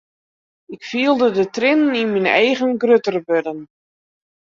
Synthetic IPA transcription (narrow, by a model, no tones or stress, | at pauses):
ɪkfiəlˠdədətrɪnninminɛ̰jɣənɡrøtərbødən